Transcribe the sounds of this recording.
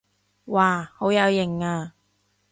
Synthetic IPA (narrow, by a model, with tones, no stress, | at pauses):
waː˨˩ho˨˥wjɐ˨˧wjɪ˨˩ŋaː˧